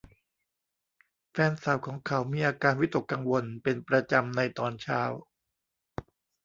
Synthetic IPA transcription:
fɛː˧nsa˨˩˦wkʰɔː˩˦ŋkʰa˩˦wmiː˧ʔaː˧kaː˧nwi˦˥t̪o˨˩kːa˧ŋwo˧npe˧npɾa˧t͡ɕa˧mna˧jt̪ɔː˧nt͡ɕʰaː˦˥˩w

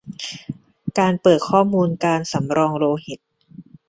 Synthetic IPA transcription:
kaː˧npɤː˨˩t̪̚kʰɔː˥˩muː˧nkaː˧nsa˩˦mɾɔː˧ŋɾoː˧hi˨˩t̪̚

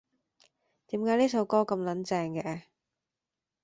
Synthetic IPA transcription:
t̪iː˨˥mkaː˨˥jniː˥sɐ˨˧wkɔː˥kɐ˧mlɐ˨˥nt͡sɛː˧ŋkɛ˧

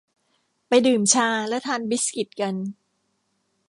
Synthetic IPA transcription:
pa˧jdɯː˨˩mt͡ɕʰaː˧lɛ˦˥wt̪ʰaː˧nbi˦˥ski˨˩t̪̚ka˧n

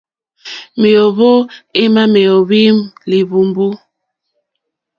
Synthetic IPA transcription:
mi˨o˨βo˦e˦ma˦me˨o˨βi˦mli˨βu˨mbu˦

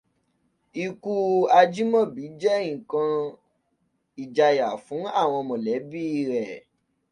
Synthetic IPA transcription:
i˧ku˦a˧d͡ʒi˦mɔ̃˦˨bi˨˦d͡ʒɛ˦ĩ˦˨kã˧ | i˨d͡ʒa˧ja˨fũ˨˦a˦˨w̃ɔ̃˧mɔ̃˨lɛ˨˦bi˦i˧ɾɛ˨

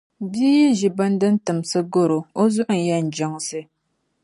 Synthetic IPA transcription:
biː˦ji˦ʒi˨ba˦n˦dɨ˦n̩˦tɨ˨msɨ˦ɡo˦ɾo˨o˦zʊ˦ʔʊ˨n̩˨ja˦n̩˨d͡ʒa˦ŋsɨ˦

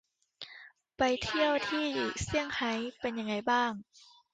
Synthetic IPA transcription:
pa˨jt̪ʰi˧˥˩əwt̪ʰiː˧˥˩si˧˩əŋha˨˦jpe˧nja˧ŋːa˧˩jbaː˥˩ŋ

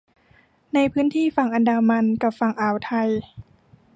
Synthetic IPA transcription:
na˧jpʰɯː˦˥nt̪ʰiː˥˩fa˧˩ŋʔa˧ndaː˧ma˧nka˧˩pfa˧ŋʔaː˨˩wt̪ʰa˧j

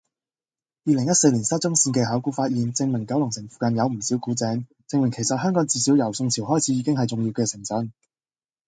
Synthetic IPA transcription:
jiː˨lɪ˨˩ŋjɐ˥t̚se˧jliː˨˩nsɐː˥t̚t͡sʊ˥ŋsiː˧nkɛː˧ɦaː˨˥wkuː˧˥faː˧t̚jiː˨nt͡sɪ˧ŋmɪ˨˩ŋkɐ˨˥wlʊ˨˩ŋsɪ˨˩ŋfu̥ː˨kɐ˧njɐ˨˧wm̩˨˩siː˨˥wkuː˨˥t͡sɛː˨˥ŋ | t͡sɪ˧ŋmɪ˨˩ŋkʰjsɐ˨t̚hœː˥ŋkɔː˨˥ŋt͡siː˧siː˨˥wjɐ˨˩wsʊ˧ŋt͡sʰiː˨˩wɦɔː˥jt͡sʰiː˨˥jiː˨˧kɪ˥ŋɦɐ˨˩jt͡sʊ˨ŋjiː˧wkɛː˧sɪ˨˩ŋsœ˨˥n

